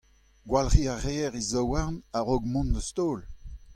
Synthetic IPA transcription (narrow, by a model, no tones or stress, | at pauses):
ɡwalʁiaʁeɛʁizowaʁnaʁoɡmɔ̃ndəst̪oːl